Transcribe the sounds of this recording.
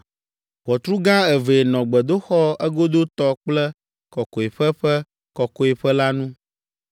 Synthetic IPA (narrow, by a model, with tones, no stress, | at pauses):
ɸɔ˨t̪ɾu˦ɡã˦ɛ˨ve˨nɔ̃˨ɡ͡bɛ˨d̪o˦xɔ˦ɛ˦ɡo˦d̪o˦t̪ɔ˦k͡plɛ˦ | kɔ˨ko˨e˨ɸɛ˦ɸɛ˦ | kɔ˨kɔ˨e˨ɸɛ˦la˦nũ˦